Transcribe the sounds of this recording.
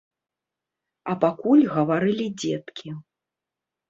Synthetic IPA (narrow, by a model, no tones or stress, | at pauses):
ɐpakulʲɣɐvaɾɨlʲid͡zʲɛt̪kʲʰi